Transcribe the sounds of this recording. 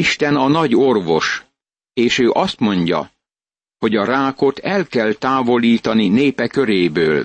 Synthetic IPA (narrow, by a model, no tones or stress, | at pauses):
iʃt̪ɛnɒnɒɟo̞rvo̞ʃ | eːʃøːʔɒst̪mo̞ɲɟɒ̰ | ho̞ɟɒɾaːko̞t̪ɛlkɛlt̪aːvo̞liːt̪ɒnineːpɛkø̞ɾeːbøːl